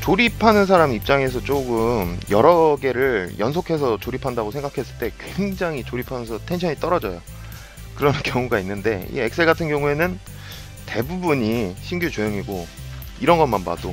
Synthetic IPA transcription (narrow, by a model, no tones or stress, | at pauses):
t͡ɕoɾipʰanɯns̬ʰaɾamiip̚t͡ɕ͈aŋe̞s̬ʰʌt͡ɕ͈oɡɯmjʌɾʌɡe̞ɾɯɭjʌns̬ʰokʰe̞s̬ʰʌt͡ɕoɾipʰandaɡosʰe̞ŋɡakʰe̞s͈ɯɭt͈e̞kwe̞ŋd͡ʑaŋit͡ɕoɾipʰamʌnsʰʌtʰe̞nɕʰʌɲit͈ʌɾʌd͡ʑʌjo | kɯɾʌnkjʌŋuɡainːɯnde̞ḭek̚s͈eɡatʰɯnɡjʌŋue̞nɯn | te̞bubuɲiɕʰinɡjut͡ɕojʌŋiɡoiɾʌnɡʌnmanpa̰do